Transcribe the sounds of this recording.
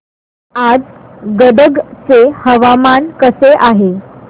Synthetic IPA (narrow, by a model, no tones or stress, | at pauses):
ad͡z | ɡəɖəɡt͡sehəʋamankəseʔaɦe